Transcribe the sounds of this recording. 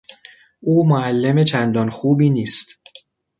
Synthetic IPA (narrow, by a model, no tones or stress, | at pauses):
ʔuːmoælːemet͡ʃʰænd̪ɒːnxuːbiːniːst̪